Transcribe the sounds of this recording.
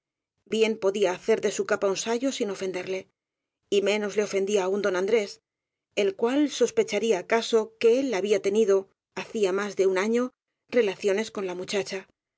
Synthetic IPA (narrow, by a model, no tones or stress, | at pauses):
bje̞mpo̞ðiaːθe̞ɾðe̞sukapaunsaʝo̞sino̞fe̞nd̪e̞ɾle̞ | imẽ̞no̞zle̞o̞fe̞nd̪iaːund̪o̞nãnd̪ɾe̞s | e̞lkwalso̞spe̞t͡ʃaɾiaːkaso̞ke̞e̞lːaβiat̪e̞niðo̞ | aθiamazðe̞unaɲo̞ | re̞laθjo̞ne̞sko̞nlamut͡ʃat͡ʃa